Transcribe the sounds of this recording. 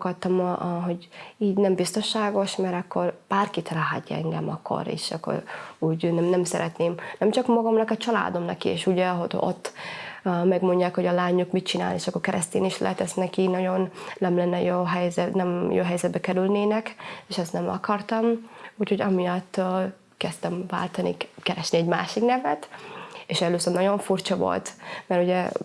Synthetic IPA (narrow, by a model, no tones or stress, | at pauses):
kɒt̪ːɒmʔɦo̞ɟiːɟnɛmbist̪o̞nʃaːɡo̞ʃmɛɾɒkːo̞rb̥aːrkit̪laɦa̰t̪ːɛ̰ŋɡɛmɒ̰kʰːo̰ɾḛʃɒ̰kʰːo̰ɾuːɟnɛmnɛmsɛɾɛt̪neːmnɛmt͡ʃɒkmɒɡɒmnɒkɒt͡ʃɒla̰ːd̪o̞mnɒkiḛːʃuɟɛɦodo̰t̪ː | mɛɡmo̞ɲɟaːkho̞ɟɒlaːɲukmitt͡ʃina̰ːlneːʃɒkːo̞rkɛɾʔɛst̪ḛːniʃlɛ̰ɦɛt̪ɛsnɛkinɒɟo̞nlɛmlɛnːɛjoːɦɛjzɛnɛmjo̰ːɦɛjzɛd̪bɛkɛɾylneːnɛkeːʃɛst̪nɛmɒ̰kɒrt̪ɒmucho̞ɟɒmijɒt̪ː | kɛst̪ɛmva̰ːlt̪ɒnḭkɛɾɛʃniɛɟma̰ːʃiknɛvɛt̪eːʃɛløːsørnɒɟo̞ɱfurt͡ʃɒvo̞̰lt̪mɛɾuɟɛ